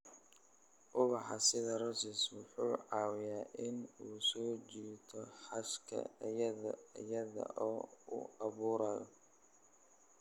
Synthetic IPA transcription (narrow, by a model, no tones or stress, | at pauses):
ʔʊβɑħɑsɪðɐɾɔsɪswʊħuːʕɑːwɪjaːʔɪnuːsɔːt͡ʃiːt̪ʰɔħɑʃkʰɐ̰ɐjɐðɐ̰ɐjɐðɐ̰ʔɔːʊ̰ɑβuːɾɐðɔ